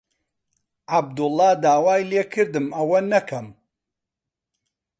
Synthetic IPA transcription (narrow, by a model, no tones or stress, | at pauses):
ʔab̚d̪ʊlˠːɑːd̪aːwaːjleːkʰɨɾd̪ɨmɐwɐnɐkʰɐm